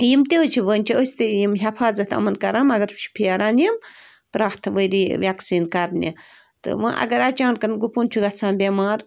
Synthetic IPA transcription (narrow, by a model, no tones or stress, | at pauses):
jimt̪ʲet͡ʃʰiʋəːnʲt͡ʃʰiəsʲt̪ɨjimɦɐfʰaːzɐt̪ʰɐ̰mɐnkɐɾaːmɐɡɐɾu̥t͡ʃʰi̥pʰiaɾaːnjɐm | pɾaːxt̪ʰʋəjɾiːʋjaksiːnkɐɾnʲḭ | t̪ɨ̰ʋɐ̃ʔɐ̰ɡɐɾat͡ʃaːnkɐnɡupunt͡ʃʰuɡɐt͡sãːnbʲemaːɾ